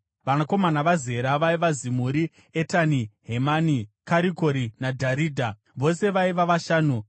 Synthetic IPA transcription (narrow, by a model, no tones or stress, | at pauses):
ʋanako̞manaʋaze̞ɾaʋaiʋazimuɾi | etaniɦe̞manikaɾiko̞ɾinadʱaɾiːdʱa | ʋo̞se̞ʋaiʋaʋaʃaːnu